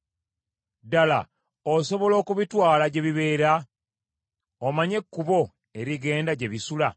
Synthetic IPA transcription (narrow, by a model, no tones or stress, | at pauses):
dala̰ | oso̞βo̞lo̞ːkuβitwaːlaɟe̞βiβe̞ːɾa | omaɲe̞kːuβo̞ | e̞ɾiɡe̞ːndaɟe̞βisula